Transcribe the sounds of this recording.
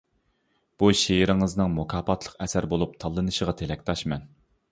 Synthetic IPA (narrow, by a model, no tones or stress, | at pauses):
b̥uʃejɪɾɪŋɨznɨŋmokʰɑːpʰɑt̪ʰlˠə̥qɛsæɾbolˠup̚t̪ʰɑlˠːɨnɨʃəʁɑt̪ʰelɛkʲt̪ʰɑʃmɛn